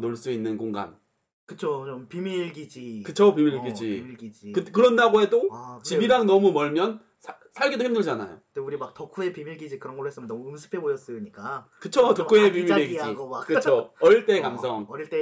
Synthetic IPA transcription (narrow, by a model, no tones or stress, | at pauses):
noɭs͈uinːɯnkoŋɡa̰n | kɯt͡ɕʰot͡ɕompimiɭɡid͡ʑikɯt͡ɕʰopimiɭɡid͡ʑiiɡid͡ʑikɯkɯɾʌndaɡoɦe̞dot͡ɕibiɾaŋnʌmumʌɭmjʌn | sʰ | sʰaɭɡidohimdɯɭd͡ʑana̰jo̰deuɾimak̚tʌkʰue̞pimiɭɡid͡ʑikɯɾʌnɡʌɭoɦes͈ɯmjʌnʌmuɯmsʰɯ̥pʰe̞bojʌs͈ɯɲik͈a | kɯt͡ɕʰotok͈ʰuepimiɾiɡid͡ʑikɯt͡ɕʰoʌɾiɭt͈e̞kamsʰʌŋit͈e